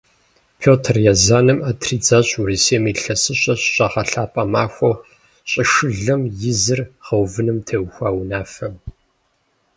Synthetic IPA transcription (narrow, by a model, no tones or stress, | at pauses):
pʰoːtʰrjazaːnɨmaːtʰriːd͡zaːɕʼuriseːmiːɬɐsɨɕʼɐɕɕʼɐʁɐɬaːpʼɐmaːxʷɐ | ɕʼɪʂɨɮɐmjɪzɨrʁɐwvɨnɨmtʰɐwxʷaːwnaːfɐm